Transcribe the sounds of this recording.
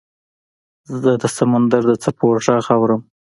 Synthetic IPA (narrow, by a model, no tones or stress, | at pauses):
zəd̪əsamand̪aɾd̪ət͡sapʰoɾʒɑɣɑwɾəm